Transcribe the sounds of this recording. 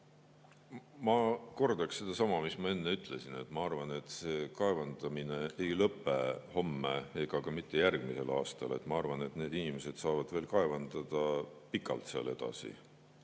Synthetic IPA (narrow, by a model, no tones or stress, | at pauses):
mɑko̞rd̪̥ɑksse̞d̪ɑsɑmɑmismɑe̞nːe̞yt̪ˑle̞sine̞t̪ːˑmɑɑrvɑne̞t̪ˑse̞ːkɑe̞vɑnd̪̥ɑmine̞ejlɤpːˑeho̞mːee̞ɡ̥ɑkɑmit̪ːˑe̞jærɡ̥mise̞̰lɑ̰ːst̪ɑ̰le̞̰t̪ːˑmɑɑrvɑne̞t̪ne̞ːd̪inimese̞d̪̥sɑːvɑd̪̥ve̞ːlkɑe̞vɑnd̪̥ɑd̪̥ɑpikːˑɑ̰lt̪seɑ̰le̞d̪̥ɑ̰sḭ